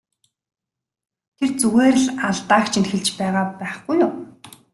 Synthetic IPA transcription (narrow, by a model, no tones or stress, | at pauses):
t̪ʰert͡suɣeːɾɘ̆ɮaɮt̪aːkt͡ɕʰinxɘ̆ɮt͡ɕpæːʁaːpæːχɡujʊː